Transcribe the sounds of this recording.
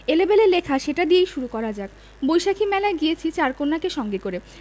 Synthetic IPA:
elebelelekʰaʃeʈad̪iejʃuɾukɔɾad͡ʑak̚ | bojʃakʰimɛlaeɡijet͡ɕʰit͡ɕaɾkonːakeʃɔŋɡekoɾe

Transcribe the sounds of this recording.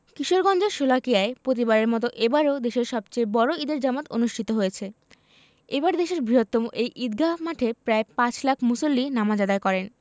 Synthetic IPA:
kiʃoɾɡɔnd͡ʑeɾʃolakijaepɾot̪̬ibaɾeɾmɔt̪oʔebaɾeod̪eʃeɾʃɔbt͡ɕejbɔɾoid̪eɾd͡ʑamat̪onuʃʈʰit̪oɦojet͡ɕʰe | ebaɾd̪eʃeɾbɾiɦot̪ːomoʔejʔid̪ɡʱamaʈʰepɾaepãt͡ɕlakʰmusolːinamad͡ʑad̪aekɔɾen

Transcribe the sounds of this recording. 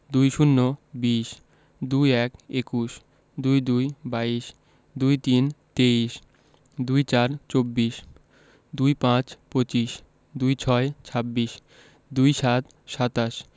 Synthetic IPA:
d̪ujʃunːobiʃ | d̪ujɛkekuʃ | d̪ujd̪ujbaiʃ | d̪ujt̪int̪eiʃ | d̪ujt͡ɕaɾt͡ɕobːiʃ | d̪ujpãt͡ɕpot͡ɕiʃ | d̪ujt͡ɕʰɔet͡ɕʰabːiʃ | d̪ujʃat̪ | ʃat̪aʃ

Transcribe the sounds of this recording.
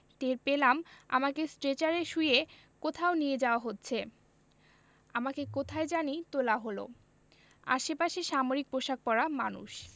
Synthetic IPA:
t̪eɾpelama̰makesʈɾet͡ɕaɾeʃuje | kot̪ʰaonied͡ʑaoaɦotːɕʰe | amakekot̪ʰaed͡ʑanit̪olaɦolo̰ | a̰ʃepaʃeʃamoɾik̚pɾoʃak̚pɔɾamanṵʃ

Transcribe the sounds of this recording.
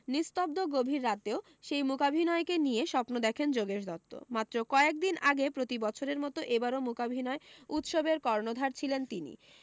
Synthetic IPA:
nist̪ob̚d̪oɡobʱiɾːat̪eo | ʃejmukabʱinɔekenijeʃɔpnod̪ɛkʰend͡ʑoɡeʃd̪ɔt̪ːo̰mat̪ːɾokɔeek̚d̪inʔaɡepɾot̪ibɔt͡ɕʰoɾeɾmɔt̪oʔebaɾomukabʱinɔeut̪ʃobeɾkɔɾnod̪ʱaɾt͡ɕʰilent̪inḭ

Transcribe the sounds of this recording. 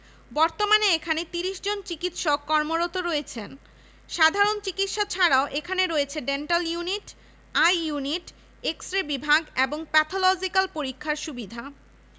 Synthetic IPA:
bɔɾt̪omaneekʰanet̪iɾiʃd͡ʑont͡ɕikit̪ʃokːɔɾmoɾot̪oɾɔet͡ɕʰen | ʃad̪ʱaɾont͡ɕikit̪ʃat͡ɕʰaɽaoʔekʰaneɾoet͡ɕʰeɖenʈaljuniʈ | ajːuniʈ | eksʈɾebibʱaɡeboŋpɛt̪ʰolɔd͡ʑikalpoɾikʰːaɾʃubid̪ʱa

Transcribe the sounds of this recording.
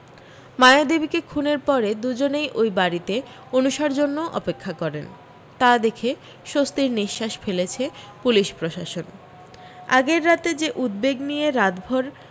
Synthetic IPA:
maead̪ebikekʰuneɾpɔɾed̪ud͡ʑonejʔojbaɾit̪e | onuʃaɾd͡ʑonːoʔɔ̰pekʰːakɔɾen | t̪ad̪ekʰe | ʃost̪iɾniʃːaʃfelet͡ɕʰe | puliʃpɾoʃaʃon | a̰ɡeɾːat̪ed͡ʑeʔud̪̚beɡnijeɾad̪bʱoɾ

